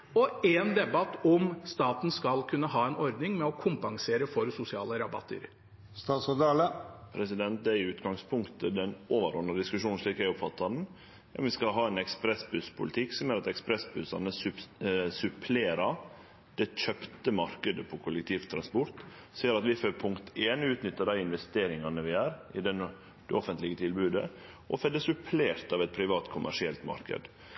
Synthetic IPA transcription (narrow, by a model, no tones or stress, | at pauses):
ɔɛnd̪ɛbɑt̪ːɔmst̪ɑːt̪n̩skɑlkʰʉnːəɦɑːɛnɔɾd̪nɪŋmɛɔkʰʊmpɑŋseːɾəfɔɾsʊsɪɑ̰ːləɾɑbɑ̰t̪ːə̰ɾ | st̪ɑːt̪sɑd̪ɑːləpʰɾɛsɪd̪ɛnt̪̚d̪ɛæɪʉːt̪ɡɑŋspʰʊŋkt̪ʰəd̪ɛnʔoːʋəɾɔnːəd̪ɪskʉʂuːnn̩ʂɭiːkæɪɔpfɑt̪ːɑd̪n̩ | ɔ̰mʋɪskɑɦɑːɛnɛkspɾɛsbʉspʰʊ̰lɪt̪ʰɪkːsɔmjøːɾɑt̪ɛkspɾɛsbʉsɑ̰nəsʉsʉpʰleːɾɑ | d̪̥ɛc͡çœpt̪əmɑɾkəd̪əpʰɔkʰʊlːɛkt̪ʰiːʋt̪ʰɾɑnspɔɾt̪ | siːəɾɑt̪ʋɪføɾpʰʊŋkt̪ʰeːnʉːt̪nʏt̪ːəɖ̪æɪɪnʋɛst̪eːɾɪŋɑnəʋɪæːɾʔɪd̪ɛn | d̪ɛɔfənt̪lɪɡət̪ʰɪlbʉːd̪ə̰ | ʔɔfɛd̪ːəsʉpʰleːɾt̪ɑʋɛt̪̚pʰɾɪʋɑːt̪kʰʊmʔæ̰ʂɪɛlt̪mɑ̰ɾkə̰d̪